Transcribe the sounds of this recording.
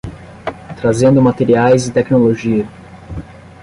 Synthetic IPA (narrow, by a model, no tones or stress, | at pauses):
t̪ɾazẽnd̪ʊmat̪eɾiajzɪt̪ɛknoloʒiɐ